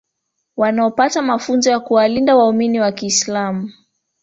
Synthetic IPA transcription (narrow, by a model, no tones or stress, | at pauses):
wanaɔpatamafunzɔjakuwalindawauminiwakiːslamu